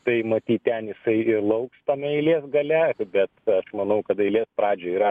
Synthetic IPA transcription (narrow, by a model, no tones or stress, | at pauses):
t̪ɐɪmɐt̪ʲiːt̪tʲɛnjɪsɐɪɪɾlˠɐʊkst̪ɐmʲɛɐɪlʲeɛsɡɐlʲɛbʲɛt̪ɐʃmɐnɐʊkɐt̪ɐɪlʲiːspɾɑːd͡ʒʲoːiːɾɐ